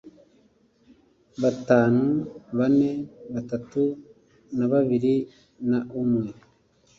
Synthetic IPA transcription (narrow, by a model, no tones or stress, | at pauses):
βataːnuβane̞βatatu | naβaβiɾi | naumŋe̞